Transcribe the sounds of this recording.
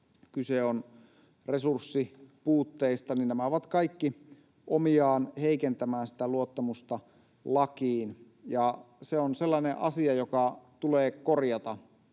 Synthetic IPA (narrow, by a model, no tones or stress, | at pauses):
kyseon | resursːipuːt̪ːeist̪ɑninnæmæoʋɑt̪kɑikːi | ʔomiɑːnheikent̪æmæːnsi̥t̪æluot̪ːɑmust̪ɑ | lɑkiːn | jɑ | seonselːɑneʔɑsiɑjokɑt̪uleːkkorjɑt̪ɑ